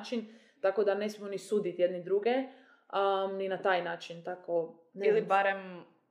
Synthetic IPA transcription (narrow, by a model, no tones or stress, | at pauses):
t͡ʃin | t̪akod̪anesmimonisuːd̪it̪jed̪nid̪ɾuɡe | ninat̪aːjnaːt͡ʃint̪ako | neilibaɾem